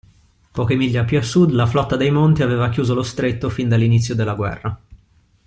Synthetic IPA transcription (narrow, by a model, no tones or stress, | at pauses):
pɔːkemiʎːapjuasːud̪laflɔt̪ːad̪ejmont̪iaveːvakjuːzolost̪ɾet̪ːofind̪alːinit̪sːjod̪elːaɡwɛ̰rːa